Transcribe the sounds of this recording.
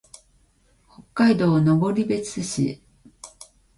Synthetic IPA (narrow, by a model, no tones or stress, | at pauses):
ho̞kːaid̪o̞ːno̞bo̞ɾʲibe̞t͡sɨɕḭ